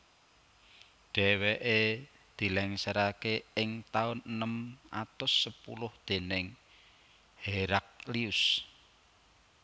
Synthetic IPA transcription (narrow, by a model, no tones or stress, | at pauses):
ɖ̥ɛweʔe | d̪̥i̤lɛŋsəɾakeɪŋt̪aʊnnəmʔat̪ʊsːəpṵlʊhd̪̥e̤nɪŋ | heɾak̚liʊs